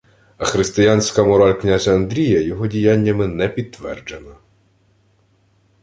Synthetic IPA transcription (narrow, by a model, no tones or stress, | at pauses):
ɐxɾɪst̪ɪjanʲsʲkɐmɔɾɑlʲknʲazʲɐːnd̪ɾʲijɐjɔɦɔdʲijanʲːɐmɪnɛpʲid̪̚t̪ːʋɛrd͡ʒenɐ